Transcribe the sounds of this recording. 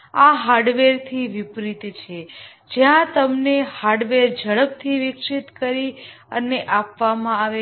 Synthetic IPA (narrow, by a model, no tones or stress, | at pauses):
aɦaɾɖʋeɾt̪ʰiʋɪpɾit̪t͡ʃʰe | d͡ʒjãt̪əmnehaɾɖʋeɾd͡ʒəɭəp̚t̪ʰiʋɪkʃit̪kəɾi | əneʔapʋamãaʋe